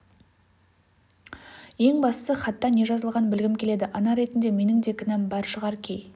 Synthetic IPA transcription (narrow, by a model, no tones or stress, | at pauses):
je̞ŋbɑst̪əsəχɑt̪ːɑne̞ʒɑzəlˠʁɑnbɪlɡʲɪmkʲʰe̞le̞d̪ɪʔɑnɑɾe̞t̪ɪnd̪e̞me̞nɪŋd̪e̞kʲʰɪnɑmbɑɾʃəʁɑɾkʲʰej